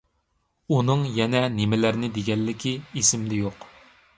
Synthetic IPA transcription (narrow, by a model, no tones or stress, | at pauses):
unɨŋjɛnɛnɪmɪlæɾnɪd̪eɡʲɛlːɪkʲʰiesɪmlɪjoq